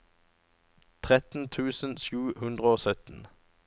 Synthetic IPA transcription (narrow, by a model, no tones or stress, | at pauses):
t̪ʰʁɛt̪n̩t̪ʰʉːsən̩ʃʉːhʉnd̪ʁəoːsœt̪n̩